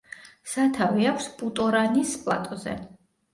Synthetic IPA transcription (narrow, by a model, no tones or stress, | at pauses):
sat̪ʰaviakʰspʼut̪ʼɔɾanispʼlˠa̰t̪ʼɔzɛ̰